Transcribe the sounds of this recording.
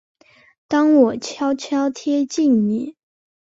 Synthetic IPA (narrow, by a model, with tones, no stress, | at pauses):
t̪ɑ˥ŋwɔ˨˩t͡ɕʰjɑ˥ʊt͡ɕʰjɑ˥ʊt̪ʰjɛ˥t͡ɕi˥˩nni˨˩˦